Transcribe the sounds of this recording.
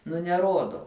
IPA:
nʊ nʲɛˈroːdoː

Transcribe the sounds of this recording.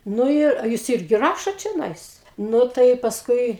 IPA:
nʊ ˈɪr ɐ ˈjuːs ˈɪrʲɡʲɪ ˈrɑːʃoːt t͡ʃʲoːˈnɐɪs ˈnʊ tɐɪ pɐsˈkʊɪ

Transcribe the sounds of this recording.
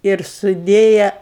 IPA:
ɪr sʊˈdʲeːjɛ

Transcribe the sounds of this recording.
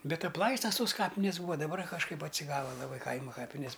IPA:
ˈbʲɛt ɐpˈlˠɐɪstɐs toːs ˈkɑːpʲɪnʲeːs ˈbuːʋɐ dɐˈbɐr kɐʃˈkɐɪp ɐtʲsʲɪˈɡɑːʋɐ lˠɐˈbɐɪ ˈkɐɪmɐ ˈkɑːpʲɪnʲeːs

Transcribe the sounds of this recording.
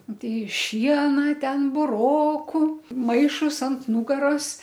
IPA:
ˈtʲɛɪ ˈʃʲiɛnɐ ˈtʲɛn bʊˈroːkʊ ˈmɐɪʃʊs ɐnt ˈnuːɡɐroːs

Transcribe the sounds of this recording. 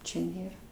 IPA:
ˈt͡ʃʲɛ ˈnʲeːrɐ

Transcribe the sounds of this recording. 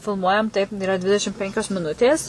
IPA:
fʲɪlˠˈmuɔjɛm tɐɪp iːˈrɐ ˈdʲʋʲɪdʲɛʃʲɪm ˈpʲɛŋʲkʲoːs mʲɪˈnʊtʲeːs

